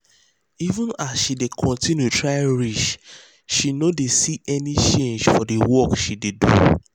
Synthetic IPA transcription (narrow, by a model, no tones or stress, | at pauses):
ivũnasʃidekʰɔ̃ntĩnjutɹaɪɹiʃ | ʃinodesiɛnit͡ʃẽnd͡ʒfɔdewɔkʃidedṵ